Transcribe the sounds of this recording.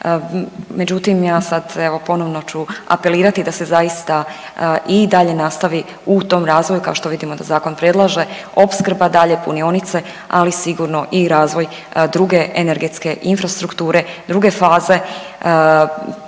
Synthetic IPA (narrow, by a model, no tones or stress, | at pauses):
me̞d͡ʑut̪imjaːsad̪e̞ʋo̞po̞no̞ʋnot͡ʃua̰pe̞liːɾat̪id̪ase̞zaist̪a | ʔid̪aʎe̞nast̪aʋi | ut̪o̞mɾaːzʋo̞jukao̞ʃt̪o̞ʋid̪imo̞d̪azaːko̞npɾed̪lˠaʒe̞ | o̞pskrɾ̩bad̪aʎepunionit̪se̞ | a̰lisiɡuɾno̞ʔiɾaːzʋo̞j | d̪ɾuɡe̞ʔeneɾɡet̪ske̞ʔinfɾast̪ɾukt̪uːɾe̞d̪ɾuɡe̞faːze̞